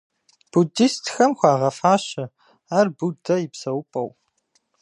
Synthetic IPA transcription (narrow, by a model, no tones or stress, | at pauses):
b̥udistʰxɐmxʷɑːʁɐfaːʃɪ | aːrbudɐjɪpsɐwʊpʼɐ̰w